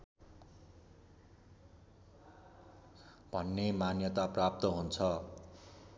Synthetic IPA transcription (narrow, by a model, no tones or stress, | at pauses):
b̥ʱʌnːemanjʌt̪aprap̚t̪ʌɦunt͡sʰʌ